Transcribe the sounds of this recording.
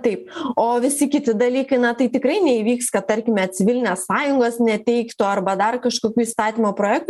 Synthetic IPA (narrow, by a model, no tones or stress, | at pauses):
t̪ɐɪpoːʋʲɪsʲɪkʲɪt̪ʲɪd̪ɐlʲiːkɐɪnɐt̪ɐɪt̪ʲɪkɾɐɪnʲɛiʋʲiːkskɐt̪t̪ɐɾʲkʲɪmʲɛt̪sʲɪʋʲɪlʲnʲeːssɑːjʊŋɡoːsnʲɛt̪ʲɛɪkt̪oːɐrbɐd̪ɐrkɐʃkoːkʲuːiːst̪ɑːt̪ʲiːmoːpɾoːjæːk̚t̪ː